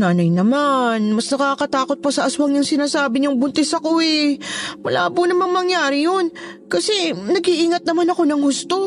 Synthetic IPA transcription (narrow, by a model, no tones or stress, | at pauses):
naːnɐjnɐmanmɐsnɐkaːkɐt̪aːko̞t̪̚pɐsɐʔɐswaŋjʊŋsɪnaːsaːbɪɲoŋbʊnt̪ɛsɐkoɛmɐla̰ːbʊnɐmaŋmɐŋjaːɾɪjon | kɐsɛnɐɡhiʔiːŋɐt̪̚nɐmanɐko̞nɐŋhʊst̪o̞